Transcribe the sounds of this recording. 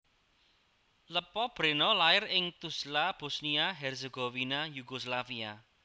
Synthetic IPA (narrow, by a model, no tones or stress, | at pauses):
ləpɔb̥ɾenɔlaɪrɪŋt̪uslab̥o̤sniaɦɛrseɡ̥owinajuɡ̥oslafia